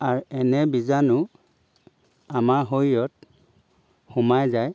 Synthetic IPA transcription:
aɹɛnɛbizanʊ | amaɹɦojjɔt̚ | xumajzaj

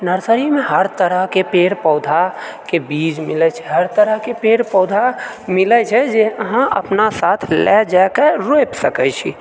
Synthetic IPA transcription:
nəɾsəɾimeɦəɾt̪əɾəɦkepeɾpəʊd̪ʱakebid͡ʒmilɛt͡ʃʰɛ̥ɦəɾt̪əɾəɦkepeɽpɔd̪ʱa | milɛt͡ʃʰɛd͡ʒeəɦãʔə̰pnasat̪ʰlɛd͡ʒajkeɾojpsəkəjt͡ʃʰḭ

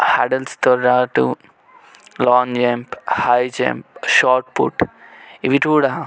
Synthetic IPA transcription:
haɖɐlst̪ɔɾːaːʈṵ | lɔ̃ːnd͡ʒemphajd͡ʒḛmpʃaːɾʈpṵʈiʋiʈuːɽã

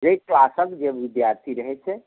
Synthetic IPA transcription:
d͡ʒeklasəkd͡ʒebid̪jaɾt̪ʰiɾəɦɛt͡ʃʰɛ

